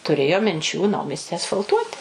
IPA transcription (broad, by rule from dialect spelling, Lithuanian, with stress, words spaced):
tʊˈrʲeːjoː mʲɪnʲˈt͡ʃʲuː ˈnɐʊmʲiɛsʲtʲɪ ɐsfɐlˠˈtuɔtʲɪ